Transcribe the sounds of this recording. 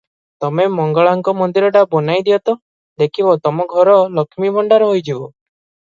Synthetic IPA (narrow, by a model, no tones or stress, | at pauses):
t̪ɔmemɔŋɡɔɭaŋkɔmɔnd̪iɾɔʈabɔnajd̪iɔt̪ɔ | d̪ekʰibɔt̪ɔmɔɡʱɔɾɔlɔkʰimibʱɔɳɖaɾɔɦojd͡ʒibɔ